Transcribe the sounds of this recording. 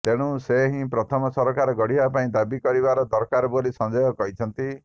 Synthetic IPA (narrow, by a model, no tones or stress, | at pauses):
t̪eɽ̃ũseɦĩpɾɔt̪ʰɔmɔsɔɾɔkaɾɔɡɔɽ̤ibapaĩd̪abikɔɾibaɾɔd̪ɔɾkaɾɔbolisɔ̃nd͡ʒɔjɔkɔɦit͡ʃʰɔnt̪i